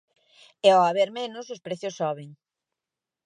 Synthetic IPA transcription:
ɛɔaβeɾmenʊsʊspɾeθjʊsːɔβ̞eŋ

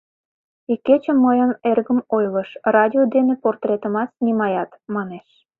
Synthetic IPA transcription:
ikːet͡ɕəmːəjənerɣəmojləʃrɑdʲiod̪eneport̪rʲet̪əmɑt͡snimɑjɑt̪mɑneʃ

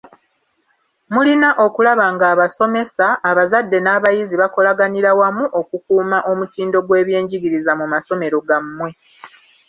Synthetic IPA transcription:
mulinaʔo̞kulaβaːŋɡaːβaso̞me̞saːβazadːe̞naːβajiziβako̞laɡaniɾawamuʔo̞kukuːmaʔo̞mutiːndo̞ɡwe̞ːβje̞ːɲɟiɡiɾizamumaso̞me̞ɾo̞ɡamːwe̞

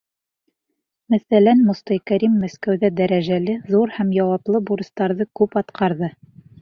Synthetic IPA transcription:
mæθælænmŏst̪ɑjkæɾimːæskæwðæd̪æɾæʒælɘðuɾhæmjɑwɑplˠɤbuɾɤ̆st̪ɑɾðɤkʉpɑt̪qʰɑɾðɤ

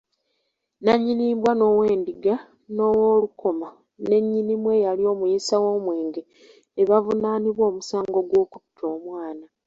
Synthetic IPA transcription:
naɲːiniːmbwano̞ːwe̞ːndiɡa | no̞wolukʰo̞ma | ne̞ɲːinimwe̞jalio̞ːmujisawo̞ːmwe̞ːŋɡe | eβavunaːniβwo̞ːmusaːŋɡo̞ɡwo̞ːkuptʰo̞ːmwaːna

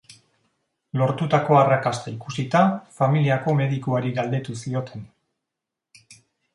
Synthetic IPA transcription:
lo̞ɾt̪ut̪ako̞arakast̪aikusit̪afamiliako̞me̞ðikuaɾiɣald̪e̞t̪usio̞t̪ʰe̞n

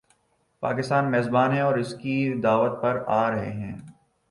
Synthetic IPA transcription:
pa̰ːkɪst̪aːnmeːzbaːnɦɛ̃ɔːɾɪskid̪aːʋət̪̚pɐɾaːɾɐɦḛɦɛ̃ː

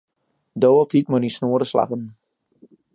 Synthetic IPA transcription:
doːəlˠtitmənisnoəɾəsla̰χən

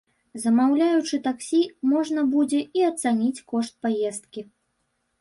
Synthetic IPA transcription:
zɐmawlʲajut͡ʂɨt̪aksʲimɔʐnɐbud͡zʲɛiɐt̪sanʲit͡sʲkɔʂt̪̚pajɛst̪̚kʲi

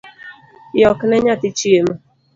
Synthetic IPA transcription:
jɔkɪneɲatɪt͡ʃiem̩

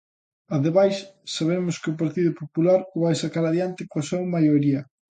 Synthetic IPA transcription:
aðeβajssaβ̞emʊskɪʊpaɾt̪iðʊpopulaɾβajsakaɾaðjant̪ɪkoasowmajoɾiɐ

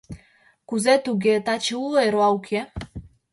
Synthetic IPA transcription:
kuzet̪uɡet̪at͡ʃueɾoawkʰe

